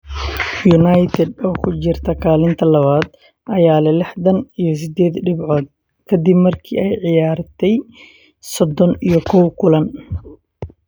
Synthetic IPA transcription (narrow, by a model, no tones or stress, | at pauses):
junajt̪ʰɛd̪ɔːkʰʊt͡ʃɪrt̪ʰɐkʰaːlɪnt̪ʰɐlɐβaːd̪ | ʔɐjaːlɛlɪħd̪ɐnijɞs̬ɪd̪ɛːd̪ɖɪbʕɔːd̪̚ | kʰɐd̪ɪbmɐrkʰḭːɛjʕɪjaːrt̪ʰɛj | sɔd̪ɔnijɞkʰɔwkʰʊlɐn